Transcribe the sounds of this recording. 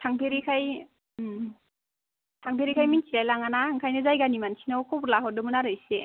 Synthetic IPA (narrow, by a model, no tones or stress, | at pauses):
tʰaŋpʰeɾikʰaj | tʰaŋpʰeɾikʰajminsʰilajlaŋanaŋkʰajnɯzajɡanimansʰinawkʰuplaɦɔdɯmɯnaɾɯjse